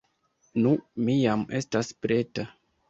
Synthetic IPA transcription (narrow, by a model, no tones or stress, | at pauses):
numijame̞staspɾe̞ta